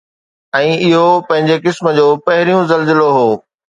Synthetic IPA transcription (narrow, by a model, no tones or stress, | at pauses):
ɛ̃ːɪɦopɐ̃ɦɪ̃ɲd͡ʑekɪsmə̆d͡ʑoːpɐɦɪɾijũzɐlzɪloɦoː